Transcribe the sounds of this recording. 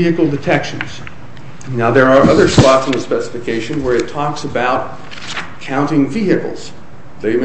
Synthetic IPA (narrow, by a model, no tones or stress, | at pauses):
iɨkl̩ˠdɨtʰɛkʃɨ̃nz̥ | naʊðə˞ːʔʌðə˞swɑtsn̩ðɨspɛsə̥fɨkʰeɪʃɨ̃nwə˞ɨtʰɔksəbaʊt̚ | kʰãʊ̃ntɪ̃ŋviɨkl̩ˠz̥ | ðeɪm